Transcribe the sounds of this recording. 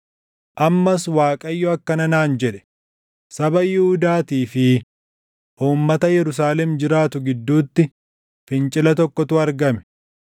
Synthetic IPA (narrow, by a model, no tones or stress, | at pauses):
ʔɐmːɐswaːkʼɐjːɔɐkːɐnɐnaːnd͡ʒɛᶑɛ̥ | sɐbɐjɪhʊd̪aːt̪iːfɪ | ʔuːmːɐt̪ɐjɛɾʊs̬aːlɛmd͡ʒɪɾaːt̪ʊɡɪd̪ːuːt̪ːɪ | fɪnt͡ʃʼɪlɐt̪ɔkːɔt̪ʊɐɾɡɐmɛ̥